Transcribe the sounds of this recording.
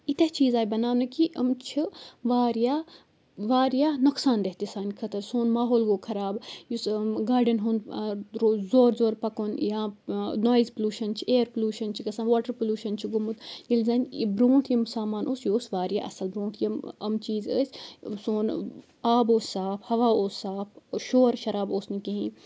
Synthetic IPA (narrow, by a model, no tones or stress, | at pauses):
it̪ɐt͡ʃiːzaːjibɐnaːmnɐkiʔɐmt͡ʃʰiʋaːɾjaː | ʋaːɾjaːnɐksaːnd̪ɐɦt̪isaːnʲkʰɐt̪ɐɾsoːnmaːɦoːlɡoːkʰɐɾaːbjusɡaːɾɖɐnɦunɾozoːɾzoːɾpɐkoːnjãːnoːjzpɐluːʃɐnt͡ʃʰieːɾpɐluːʃɐnt͡ʃʰikɐsɐːnʋaːʈɐɾpolʲuːʃɐnt͡ʃʰiɡʊmut̪jilzɐnʲbɾõːʈʰjimsaːmaːnʔoːsjoːsʋaːɾja̰ːʔɐ̰sɐlbɾõːɳʈʰjɐmɐmt͡ʃiːzə̰ːsʲsoːn | aːboːssaːpʰhɐʋaːoːssaːpʰʃoːɾʃɐɾaːboːsnikɐɦĩ